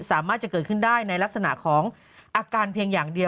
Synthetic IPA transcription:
saː˩˦maː˥˩t̪̚t͡ɕa˨˩kɤː˨˩t̪̚kʰɯ˥˩ndaː˥˩jna˧jla˦˥k̚sa˧na̰˨˩ʔkʰɔː˩˦ŋ | ʔaː˧kaː˧npʰi˧əŋjaː˨˩ŋdi˧ə

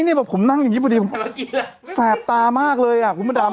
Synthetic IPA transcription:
ni˥˩bɛː˨˩pʰːo˩˦mna˥˩ŋjŋːi˦˥pʰːdiː˧pʰ | sɛː˨˩p̚t̪aː˧maː˥˩k̚lɤː˧jʔa˨˩kʰnma˧˥˩daː˧

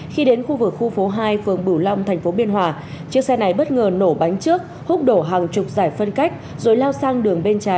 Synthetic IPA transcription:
xi˧ɗe˨˦nxu˧vɨ˨˩k̚xu˧fo˨˦ɦaː˧jfɨ˨˩əŋɓɨ˧˩wla˧wŋ͡mt̪ʰɛ˨˩jŋ̟fo˨˦ɓi˧ənɦwaː˧˩t͡ɕɨ˦˥əksɛ˧na˨˩jɓə˦˥t̚ŋəː˨˩no˧˩ɓa˨˦jŋ̟t͡ɕɨ˦˥ək̚ | hʊ˦˥k͡p̚ɗo˧˩ɦaː˨˩ŋt͡ɕʊ˨˩k͡p̚zaː˧˩jfə˧nka˦˥jk̟̚zo˨˩jlaː˧wsaː˧ŋɗɨ˨˩əŋɓe˧nt͡ɕaː˨˦

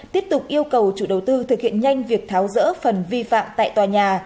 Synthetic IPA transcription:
t̪i˦˥əp̚t̪ʊ˨˩k͡p̚ʔi˧əwkə˨˩wt͡ɕṵ˧˨ɗə˨˩wt̪ɨ˧t̪ʰɨ˨˩k̚hḭ˧˨ənɲa˧jŋ̟vi˨˩ək̚t̪ʰaː˨˦wzə̰ː˧˥fə˨˩nvi˧fa̰ː˧˨mt̪a̰ː˧˨jt̪waː˨˩ɲaː˨˩

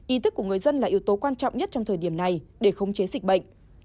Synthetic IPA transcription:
ʔi˨˦t̪ʰɨ˦˥kːu˧˩əŋɨ˨˩əjzə˧nlaː˨˩ʔi˨˦əwt̪o˨˦kwaː˧nt͡ɕɔ̰˧˨wŋ͡mɲə˦˥t̚t͡ɕɔ˧wŋ͡mt̪ʰəː˨˩jɗi˧˩əmna˨˩jɗe˧˩xə˧wŋ͡mt͡ɕe˨˦zï˨˩k̟̚ɓə̰˧˨jŋ̟

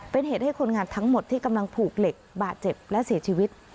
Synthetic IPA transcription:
pe˧nɦeː˨˩t̪̚ha˥˩jkʰo˧nŋaː˧nt̪ʰa˦˥ŋmo˨˩t̪ʰːiː˥˩ka˧mla˧ŋpʰuː˨˩k̚le˨˩k̚baː˨˩t̪̚t͡ɕe˨˩p̚lɛ˦˥ʔsi˩˦t͡ɕʰiː˧wi˦˥t̪̚

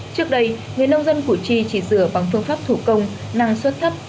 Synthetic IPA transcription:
t͡ɕɨ˦˥ək̚ɗə˧j | ŋɨ˨˩əjnə˧wŋ͡mzə˧nku˧˩t͡ɕi˧t͡ɕi˧˩zɨ̰˧˨əɓa˨˩ŋfɨ˧əŋfaː˦˥p̚t̪ʰu˧˩kə˧wŋ͡m | na˧ŋswə˦˥t̚t̪ʰə˦˥p̚

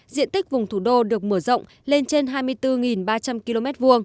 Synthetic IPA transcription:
zḭ˧˨ənt̪i˦˥k̟̚vʊ˨˩ŋ͡mt̪ʰu˧˩ɗo˧ɗɨ˨˩ək̚məː˧˩zə̰˧˨wŋ͡m | le˧nt͡ɕe˧nɦaː˧jmɨ˧əjt̪ɨ˧ŋi˨˩nɓaː˧t͡ɕa˧mki˧lo˧mɛ˦˥t̚vu˧əŋ

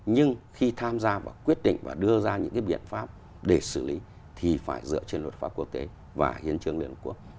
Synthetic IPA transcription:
ɲɨ˧ŋxi˧t̪ʰaː˧mzaː˧va̰ː˨˩kwi˦˥ət̚ɗḭ˧˨ŋ̟va̰ː˨˩ɗɨ˧əzaː˧ɲɨ̰˧˥ŋkaː˨˦jɓḭ˧˨ənfaː˦˥p̚ | ɗe˧˩sɨ˧˩li˨˦ | t̪ʰi˨˩faː˧˩jzɨ̰˧˨ət͡ɕe˧nlṵ˨˩t̚faː˦˥p̚ku˧ək̚t̪e˨˦ | va̰ː˨˩hḭ˨˦ənt͡ɕɨ˧əŋli˧ənhə˨˧˩ku˦˥ək̚

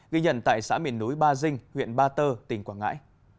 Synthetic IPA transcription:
ɣi˧ɲə̰˧˨nt̪a̰ː˧˨jsa̰ː˧˥mḭ˧˨ənːu˨˦jɓaː˧zï˧ŋ̟hwḭ˧˨ənɓaː˧t̪əː˧t̪ï˨˩ŋkwaː˧˩ŋa̰ː˧˥j

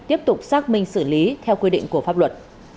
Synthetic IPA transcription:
t̪i˦˥əp̚t̪ʊ˨˩k͡p̚saː˦˥k̚mï˧ŋ̟sɨ˧˩li˨˦t̪ʰɛ˧wkwi˧ɗḭ˧˨ŋ̟ku˧˩əfaː˦˥p̚lwə˨˩t̚

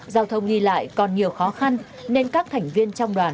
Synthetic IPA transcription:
zaː˧wt̪ʰə˧wŋ͡mɗi˧la̰ː˧˨jkɔ˨˩nɲi˨˩əwxɔ˨˦xa˧nː | e˧nkaː˦˥k̚t̪ʰɛ˨˩jŋ̟vi˧ənt͡ɕɔ˧wŋ͡mɗwaː˨˩n

